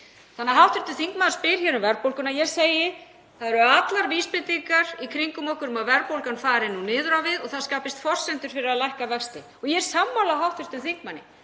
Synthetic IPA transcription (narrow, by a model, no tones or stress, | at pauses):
θanːaɦawht̪vɪɾ̥t̪ʏnθiŋkmaðḁɾspɪːɾ̥çɛːɾʏmvɛɾpowlkʏnajɛɣseːjɪ | θaðɛɾʏat̪laɾviːspɪt̪iŋkaɾikʰɾiŋkʏmɔwhkʏɾʏmavɛɾpowlkanfaːɾɪnːunɪːðʏɾawvɪðɔɣθaðskaːpɪst̪fɔr̥sɛnt̪ʏɾ̥fɪɾɪɾalajhkavɛkst̪ɪ | ɔɣjɛɾ̥samːawlaɦawht̪ʏɾ̥t̪ʏθiŋkmanːɪ̰